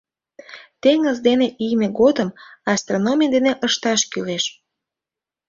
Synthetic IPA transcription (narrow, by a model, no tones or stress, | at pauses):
t̪eŋəzd̪eneʔijmeɣod̪əmɑst̪ronomʲijd̪eneʔəʃt̪ɑʃkyleʃ